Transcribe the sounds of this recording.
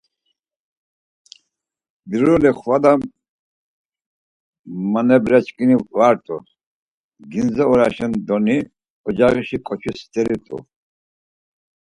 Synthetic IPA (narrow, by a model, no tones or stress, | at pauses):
biɾuliχwad̪a | manɛbɾɛt͡ʃʼkʼinivaɾt̪ʼu | ɡinzɛɔɾaʃɛnd̪ɔni | ɔd͡ʒaɣiʃikʼɔt͡ʃʰist̪ʰʼɛlit̪ʼṵ